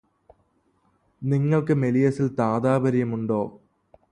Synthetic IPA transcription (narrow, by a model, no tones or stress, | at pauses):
niŋːɐɭkɨmelijɐsilt̪aːðaːbɐɾjɐmuɳɖo̞ː